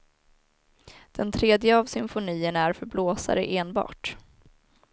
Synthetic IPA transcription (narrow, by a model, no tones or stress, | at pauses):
d̪̥ɛnt̪ʰɾeːd̪jəavsʏmfʊniːənæɾfœɾbloːsa̰ɾə̰ʔeːnbɑ̰ːʈ